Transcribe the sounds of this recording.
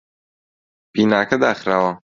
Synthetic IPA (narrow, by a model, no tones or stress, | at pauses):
biːnaːkɐd̪aːxɾaːwɐ